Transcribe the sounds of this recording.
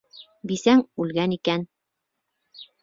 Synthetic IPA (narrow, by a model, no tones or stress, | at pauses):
bisæŋʉlɡænikæn